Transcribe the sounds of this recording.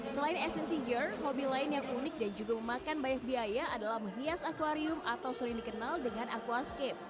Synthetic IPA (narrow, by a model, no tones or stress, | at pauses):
səlaɪnɛsɛnt̪id͡ʒərhobilaɪnjaŋunɪk̚dand͡ʒuɡaməmakanbajak̚biajaʔːdalahməniasakwaɾiʊmat̪awsəɾɪŋdikənaldəŋanʔakwaskɛp̚